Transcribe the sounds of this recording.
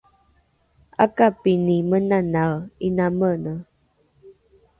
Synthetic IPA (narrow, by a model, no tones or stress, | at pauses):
a̰kapinimənanaɭinamənə